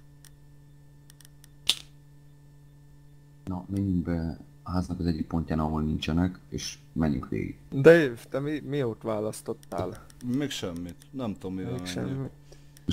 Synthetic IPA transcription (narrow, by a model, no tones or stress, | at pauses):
nɒmɛɲːyŋbɛ | ɒɦaːznɒkɒzɛɟːik̚po̞ɲcaːnɒɦoːlnint͡ʃɛnɛkeːʃ | mɛɲːy̰ŋkʋḛːɡḭɡd̪ɛet̪ɛmimioːt̪ʋaːlɒst̪o̞t̪ːa̰ːl | meːkʃɛmːit̪nɛmt̪oomːieːkʃɛ̰mːit̪